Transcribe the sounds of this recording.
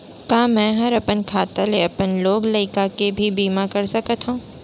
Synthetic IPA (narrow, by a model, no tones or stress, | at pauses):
kaːmɛ̃ːɦɐɾɐpənkʰaːt̪aleɐpənloːɡlɐɪkakebʱibiːmakɐɾsɐkət̪ɦũː